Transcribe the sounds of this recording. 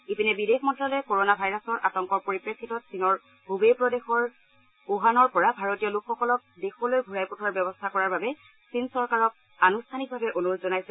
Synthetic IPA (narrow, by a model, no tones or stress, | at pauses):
ipinɛbidʱexmɔntɹalɛkoɹonabʱajɹasɔɹʔatɔŋkɔɹpoɹipɹekʰːitɔtsinɔɹ | bubejpɹɔdexɔɹ | oɦanɔɹpɔɹabʱaɹotiɔlukʰxɔkɔlɔk̚dexɔlojɡʱuɹajputʰaɹbjɛbɔstʰakɔɹaɹbabɛ | sinsɔɹkaɹɔk̚ | anustʰanik̚bʱabɛʔonuɹotzɔnajsɛ